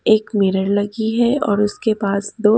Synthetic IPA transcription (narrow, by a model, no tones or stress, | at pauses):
eːkmɪɾəɾlɐɡiɦɛɔːɾʊskepaːsd̪oː